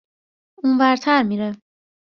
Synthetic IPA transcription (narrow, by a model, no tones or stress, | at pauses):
unvæɾt̪ʰæɾmiːɾe